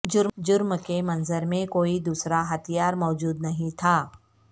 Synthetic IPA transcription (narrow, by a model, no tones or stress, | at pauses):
d͡ʒʊɾd͡ʒʊɾmkemɐ̃nzəɾmẽkoːid̪uːsɾaɦɐt̪ʰijaːɾmɔːd͡ʒuːd̪nɐɦĩt̪ʰaː